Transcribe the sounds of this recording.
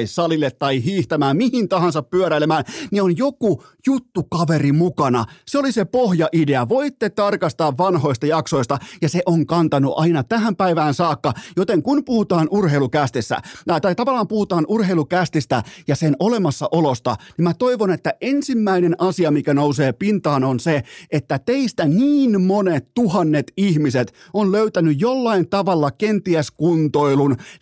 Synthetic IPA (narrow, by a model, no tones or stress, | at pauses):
issɑlilːet̪ːɑihiːht̪æmæːmmihint̪ɑhɑnsɑppyøɾælemæːnnionjokujut̪ːukɑʋerimukɑnɑ̰seolisepohjɑʔideæʋoit̪ːet̪ɑrkɑst̪ɑːʋʋɑnho̞ist̪ɑjɑkso̞ist̪ɑjɑseʔoŋkɑnt̪ɑnuʔɑinɑt̪æɦæmpæiʋæːnsɑːkːɑjot̪eŋkunpuhut̪ɑːnurheilukæst̪esːæ̰t̪ɑt̪ɑit̪ɑʋɑlːˑɑːmpuhut̪ɑːnʔurheilukæst̪ist̪æjɑsenolemɑsːɑʔolost̪ɑ̰nimmæt̪oiʋonet̪ːæʔensimːæinenʔɑsiɑmikænouseːpint̪ɑːnonseʔet̪ːæt̪eist̪æniːnmonet̪t̪uhɑnːet̪ihmiset̪onløyt̪ænyjjolːɑint̪ɑʋɑlːɑkent̪iæskunt̪oilun